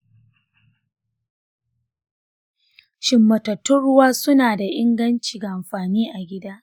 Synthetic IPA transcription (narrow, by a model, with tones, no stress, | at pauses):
ʃɪ˨mːɐ˨tɐ˨tʊ˦ɽʊ˦waː˦sʊ˦naː˨da˨ʔɪ˦ŋɡɐ˦nt͡ʃiː˨ɡa˨ʔa˨mɸaː˨niː˦ʔa˨ɡʲɪ˦daː˦